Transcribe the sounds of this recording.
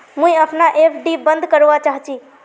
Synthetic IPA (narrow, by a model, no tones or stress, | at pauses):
mũjəpʰnaʔepʰɖibənd̪ʱkəɾʋat͡ʃaɦt͡ʃʰi